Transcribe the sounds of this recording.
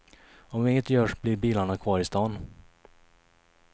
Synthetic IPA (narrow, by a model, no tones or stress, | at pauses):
ɔmvɪɪŋːət̪jœːʂblɪɾbiːlaɳakʰvɑːɾɪst̪ɑːn